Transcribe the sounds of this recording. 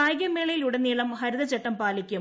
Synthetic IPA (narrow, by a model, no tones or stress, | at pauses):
aːjɡjɐmːeːɭɐjiluɽeniːɭɐmhɐɾuðɐt͡ɕeʈːɐmpaːlikkʲːum